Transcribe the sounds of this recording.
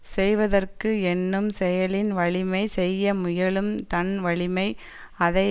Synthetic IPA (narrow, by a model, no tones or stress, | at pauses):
sɛjʋɐðɐrkɯɛnːɯmsɛjɐɭɪnʋɐɭɪmɐɪsɛjːɐmʊjɐɭɯmt̪ɐnʋɐɭɪmɐɪ | ɐðɐ